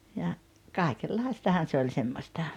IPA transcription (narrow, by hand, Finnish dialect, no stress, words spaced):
jɑ kɑˑikelːɑistɑhɑn se olʲ semːostɑ